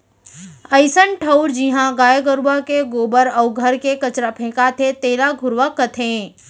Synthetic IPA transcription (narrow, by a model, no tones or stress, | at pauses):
əɪsənʈʰəʊɾd͡ʒiɦãɡaːjəɡəɾʋakeɡoːbəɾəʊɡʱəɾkekɐt͡ʃɾapʰẽːkat̪ʰet̪eːlaɡʱʊɾʋakːət̪ʰẽː